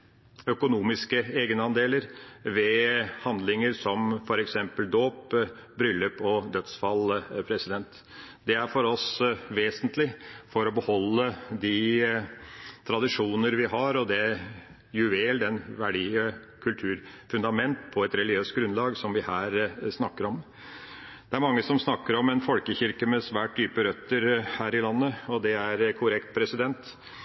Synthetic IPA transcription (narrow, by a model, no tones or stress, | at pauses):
œkʊnuːmɪskəeːɡənəɑnd̪eːləɾʋɛhɑnd̪lɪŋəɾsɔmfɔɾɛksɛmpəld̪oːpbɾʏlːəpʰɔd̪œt̪sfɑlpʰɾɛsɪd̪ɛnt̪ | d̪ɛæɾfɔɾɔsʋeːsənt̪lɪfɔɾɔbəhɔlːəd̪ɪ | t̪ʰɾɑd̪ɪʂuːnəɾʋɪɦɑɾɔd̪ɛ | jʉʋeːld̪ɛnʋæɖiːə | kʰʉlt̪ʰʉːɾfʉnd̪ɑmɛnt̪pʰɔɛt̪ɾɛlɪɡɪøːst̪̚ɡɾʉnlɑːɡsɔmʋɪhæːɾsnɑkːəɾɔm | d̪ɛæɾmɑŋːəsɔmsnɑkːəɾɔmɛnfɔlkəçɪɾkəmɛsʋæːʈ̚d̪yːpəɾœt̪ːəɾhæːɾɪlɑnːəɔd̪ɛæɾkʰʊɾɛkt̪̚pʰɾɛsɪd̪ɛnt̪